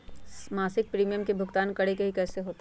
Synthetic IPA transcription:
maːsɪk̚pɾiːmijə̃mkebʱʊɡt̪aːnkɐɽekeɦikɛːseɦoːt̪

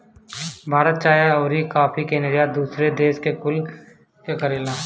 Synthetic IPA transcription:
bʱaːɾət̪t͡ʃaːjaɔːɾikaːpʰikeːnɾijad̪uːsɾed̪eːʃkekʊl | kekɐɾeːlaː

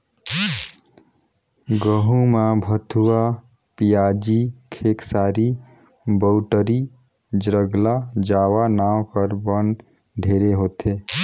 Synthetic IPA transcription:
ɡəɦũmabʱət̪ʰua | pijad͡ʒikʰeksaːɾi | bəʊʈəɾi | d͡ʒɾəɡlad͡ʒaːwanawkəɾbən | ɖʱeɾeɦot̪ʰe

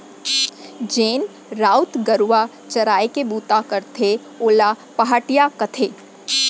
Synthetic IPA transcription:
d͡ʒeːn | ɾaːʊt̪ɡəɾʋa | t͡ʃɐɾaːekebuːt̪akəɾt̪ʰe | oːla | pɐɦaːʈijakɐt̪ʰeː

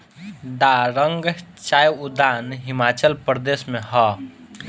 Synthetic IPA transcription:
d̪aɾəŋɡt͡ʃaːjud̪aːnɦɪmat͡ʃəlpɾd̪esmẽɦɔ

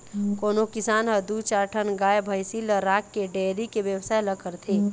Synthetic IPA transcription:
koːnokɪsaːnɦəd̪ut͡ʃaːɾʈʰənɡaːjbʱəjsiləɾaːkːeɖeːɾikeʋjəwsaːjləkəɾt̪ʰeː

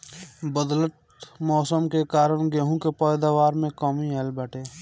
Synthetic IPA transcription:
bəd̪lət̪̚ | mɔːsəmkekaːɾəɽ̃ɡeɦũkepɛːd̪aːʋaːɾmẽkɔːmiɛlbəːʈeː

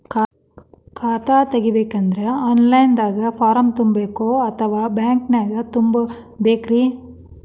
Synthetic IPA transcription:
kː | kaːt̪aːt̪ɛɣiʋeːkːɐnd̪ɾɐaːnlɐjnd̪aːɣɐpaːɾɐmt̪ʊmbɐːkːoːɐt̪ʰːɐʋaːbaːŋknaːɣɐt̪ʊmbɐ | beːkɾiː

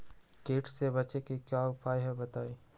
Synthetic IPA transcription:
keːʈʰsebɐt͡ʃekikjaʊpaːjɦɛbɐt̪aːiː

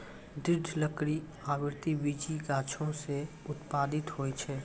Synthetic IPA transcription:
d̪ɪɾd̪ʱləkɽi | aːʋɪɾt̪iʋid͡ʒiɡaːt͡ʃʰõse | ʊt̪paːd̪ɪt̪ɦoːit͡ʃʰɛː

